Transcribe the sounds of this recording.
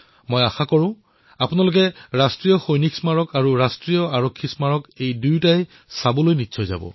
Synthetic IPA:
mojaxakɔɹʊ̃ | apʊnalʊk̬ɛɹastɹijɔxojniksmaɹɔkaɹuɹastɹijɔaɹɔkʰːismaɹɔkejdujtaj | sabɔlojnitːsʰɔjza̰bɔ̰̃

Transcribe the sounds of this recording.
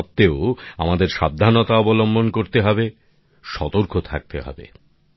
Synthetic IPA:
p̚t̪eoamad̪eɾʃa̰b̚d̪ʱanot̪aɔbolombonkoɾt̪eɦɔbe | ʃɔt̪oɾkʰot̪ʰa̰k̚t̪eɦɔ̰bḛ

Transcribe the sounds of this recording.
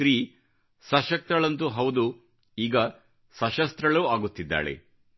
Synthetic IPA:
ɾiː | sɐʃɐk̚t̪ɾɐɭɐnt̪uɦɐwd̪u | iːɡɐ | sɐʃɐst̪ɾɐɭuːaːɡut̪ːid̪ːa̰ːɭḛ

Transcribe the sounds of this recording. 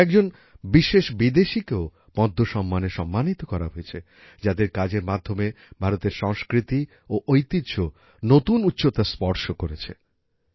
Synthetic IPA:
ɛk̚d͡ʑon | biʃeʃbid̪eʃikeo | pɔd̪ʱːoʃɔmːaneʃɔmːanit̪okɔɾa̰ɦojet͡ɕʰe | d͡ʑad̪eɾkad͡ʑeɾmad̪ʱːome | bʱaɾot̪eɾʃɔŋskɾit̪i | oʔojt̪id̪ɕo | not̪unut̪ːɕot̪aspɔɾʃokoɾet͡ɕʰḛ

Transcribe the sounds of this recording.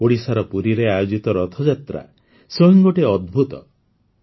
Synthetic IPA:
oɽisaɾɔpuɾiɾeajod͡ʒit̪ɔɾɔt̪ʰɔd͡ʒat̪ɾa̰ | sɔiŋɡoʈeɔd̪̚bʱut̪ɔ̰

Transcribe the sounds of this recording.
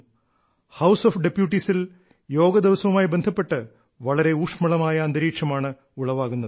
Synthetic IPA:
hɐwsofɖepjuʈːisil | jo̞ːɡɐd̪iʋɐsɐʋumaːjbe̞nd̪ʱɐpːe̞ʈːɨ | ʋɐɭɐɾe̞uːkʂmɐɭɐmaːjɐːnd̪ɐɾiːkʂɐmaːɳɨ | uɭɐʋaːɣunːɐðɨ

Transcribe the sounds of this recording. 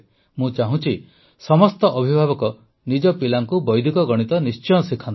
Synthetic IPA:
mũt͡ʃaɦũt͡ʃʰi | sɔmɔst̪ɔʔɔbʱibʱabɔkɔ | nid͡ʒɔpilaŋkubɔjd̪ʱikɔɡɔɽ̃it̪ɔnist͡ʃɔ̃ɔsikʰant̪

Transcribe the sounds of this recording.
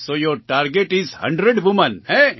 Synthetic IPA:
soːjoːɾʈaːɾɡeʈizhɐ̰̃ɳɖɾeɖʋumə̃nhe

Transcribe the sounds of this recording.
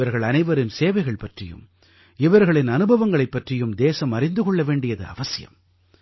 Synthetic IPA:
ɐɾɣɐɭɐnɐɪʋɐɾɪnseːʋɐɪɣɐɭpɐʈrɪjɯ̰m | ɪʋɐɾɣɐɭɪnɐnɯbɐʋɐŋɡɐɭɐɪpːɐʈrɪjɯmd̪eːsɐmɐɾɪnd̪ɯkɔɭːɐʋeːɳɖɪjɐðɯ̰ɐ̰ʋɐsɪjɐ̰m

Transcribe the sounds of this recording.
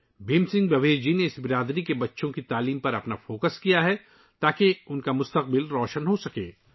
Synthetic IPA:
beːmsɪ̃ŋɡbɐʋeːd͡ʒineɪsbɪɾaːd̪ɾikebɐtːʃõkit̪aːliːmpɐɾɐpnafoːkəskijaɦɛ | t̪aːkeʊnkamʊst̪əq̚bɪlɾɔːʃənɦosɐkḛː

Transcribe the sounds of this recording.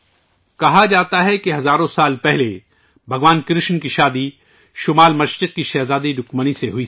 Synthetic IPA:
kɐɦad͡ʒaːt̪aɦɛkeɦɐzaːɾõsaːlpɛɦle | bʱɐɡʋaːnkɾɪʃnkiʃaːd̪i | ʃʊmaːlmɐʃɾɪq̚kiʃɛɦzaːd̪id̪ʊkməniseɦʊi

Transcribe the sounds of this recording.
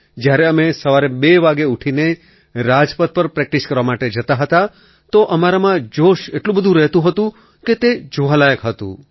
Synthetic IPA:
d͡ʒjaɾeəmesəʋaɾebeʋaɡeuʈʰine | ɾad͡ʒpət̪̚pəɾpɾɛk̚ʈiskəɾʋamaʈed͡ʒət̪aɦət̪a | t̪oʔəmaɾamãd͡ʒoʃeʈlũbəd̪ʱũɾɛɦt̪ũɦət̪ũ | ket̪ed͡ʒuɦalajəkɦət̪ṵ̃

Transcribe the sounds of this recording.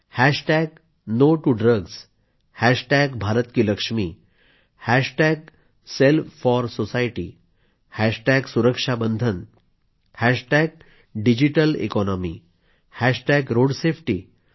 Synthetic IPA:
hæʂʈɛɡ | noʈuɖɾəɡs | hæʂʈɛɡbʱaɾət̪kiləkʂmi | hæʂʈɛɡ̚ | selffɔɾsosajʈḭ | hæʂʈɛɡsuɾəkʂabənd̪ʱən | hæʂʈɛɡ̚ | ɖid͡ʑiʈəlḛkɔnɔmḭ | hæʂʈɛɡɾoɽsefʰʈiː

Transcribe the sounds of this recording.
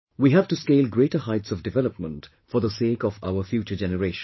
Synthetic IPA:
wiːɦæv̥tuskeɪlˠɡɾeːtəɦaɪtsɔvdɪvɛləpmə̃nt | fɔðəseːkɔva̰ʊəfjuːt͡ʃəd͡ʒɛnəɾeʃ

